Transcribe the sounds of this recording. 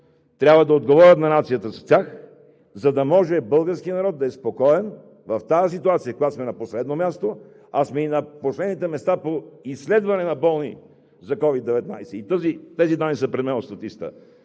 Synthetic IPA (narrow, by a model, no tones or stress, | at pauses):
t̪ɾʲjabvɐd̪ɐod̪ɡovɔɾʲət̪nɐnat̪sijət̪əsɐst̪ʲax | zɐd̪ɐmɔʒɛbɤlˠɡəɾskiənɐɾɔd̪̚ːɐɛspokɔɛn | vɐft̪aəs̬it̪uat̪sijəkoɡasmɛnɐposlɛd̪nomʲjast̪o | asmɛinɐposlɛd̪nit̪ɛmɛst̪apoislɛd̪vɐnɛnɐbɔlˠnḭ | zɐkɔvid̪ːɛvɛt̪najsɛit̪əzit̪ɛzid̪anːisəpɾɛd̪mɛnost̪ɐt̪ist̪ə̰